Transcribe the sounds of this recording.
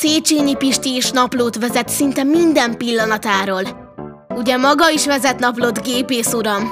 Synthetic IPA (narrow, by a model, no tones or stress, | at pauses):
seːt͡ʃiːnipiʃt̪ieːʃnɒploːt̪ʋɛzɛt̪sint̪ɛmind̪ɛmpilːɒnɒt̪aːɾoːl | uɟɛmɒɡɒiʃʋɛzɛt̪nɒploːd̪ɡeːpeːsuɾɒm